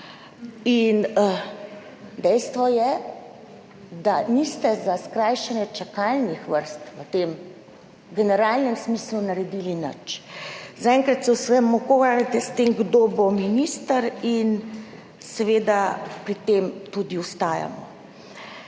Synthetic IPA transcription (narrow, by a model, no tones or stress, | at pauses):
in | d̪ɛjst̪ʋɔjɛ | d̪anist̪ɛzaskɾaːjʃɛnjɛt͡ʃakalnixʋəɾst̪ʋət̪eːm | ɡɛnɛɾaːlnɛmsmiːslunaɾɛd̪iːlinə̰t͡ʃzaɛŋkɾat̪sɛsʋɛmːɔkoʋaɾat̪ɛst̪emɡd̪obominist̪əɾin | sɛʋeːd̪apɾit̪emt̪ud̪iust̪aːja̰mɔ̰